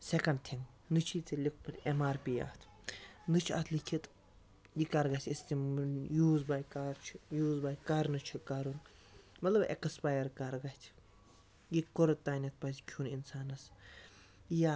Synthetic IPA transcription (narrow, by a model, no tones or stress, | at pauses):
sekɐɳɖ̚t̪ʰiŋɡ | nɨt͡ʃʰit͡silʲikʰmɨt̪ʲemaːɾpiːa̰ːt̪ʰ | nɨt͡ʃʰa̰ːt̪ʰlikʰit̪ | jikɐɾɡɐt̪ʰʲist̪imjuːzbaːjkaɾt͡ʃʰijuːzbaːjkaɾnɨt͡ʃʰikaɾun | mɐt̪lɐbḛkspaːjɐɾkɐɾɡɐt̪ʲʰ | jikoɾɨt̪ːaːnʲɐt̪̚ʰpɐtʲkʲʰuninsaːnɐs | ja